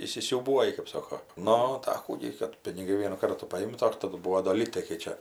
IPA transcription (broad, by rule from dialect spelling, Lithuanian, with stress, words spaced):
iːsʲɪsʲuːˈbuɔjɪ kɜp ˈsoːkoː ˈnʊ tɐɪ ɐ ˈkuː ɡʲɪ kɐt pʲɪnʲɪˈɡɐɪ ˈʋʲiɛnuː ˈkɐrtuː pɐˈɪmtɐ ˈdɐr tɐˈdʊ ˈbuːoː doː ˈlʲiːtɐɪ kɐɪ ˈt͡ʃʲɛ